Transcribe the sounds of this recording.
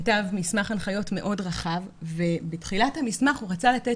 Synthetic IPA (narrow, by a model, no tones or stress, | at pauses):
tavmismaχanχajo̞tme̞ʔo̞dʁaχavvebetχilathamismaχuʁat͡salate